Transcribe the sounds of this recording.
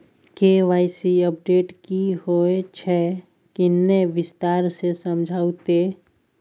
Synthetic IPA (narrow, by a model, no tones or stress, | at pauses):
keʋaːɪsiəp̚ɖeːʈkihoet͡ʃʰɛ | kɪnːeʋɪst̪aːɾsesəmd͡ʒʱaːut̪e